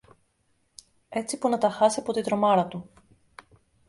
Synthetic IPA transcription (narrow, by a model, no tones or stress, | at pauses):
e̞t͡sipunɐt̪ɐxɐsiɐpo̞t̪it̪ɾo̞mɐɾɐt̪u